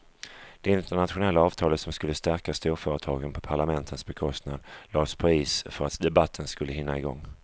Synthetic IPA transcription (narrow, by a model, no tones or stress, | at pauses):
d̪̥ɛɪnt̪əɳat̪ɧʊnɛlːaɑːv̥t̪ʰɑːlət̪sɔmskɵlːəst̪æɾkast̪uːɾfœːɾət̪ʰɑːɡənpʰɔpʰaɭamɛnt̪ʰənsbɛkʰɔst̪nad̪lɑːspʰɾiːsfœɾat̪d̪ɛbat̪ʰːənskɵlːəɦɪnːaɪɡɔŋː